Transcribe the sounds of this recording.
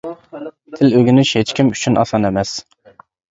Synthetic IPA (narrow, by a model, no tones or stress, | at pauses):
t̪ʰɪløɡʲinɪʃhet͡ʃkʲimyt͡ʃʰynʔɑ̰sɑnemɛs